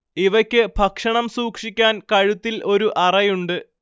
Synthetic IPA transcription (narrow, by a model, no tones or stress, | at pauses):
iʋɐkʲːɨbʱɐkʂɐɳɐmsuːkʂikʲːaːnkɐɻut̪ːilʔo̞ɾuʔɐrɐjuɳɖɨ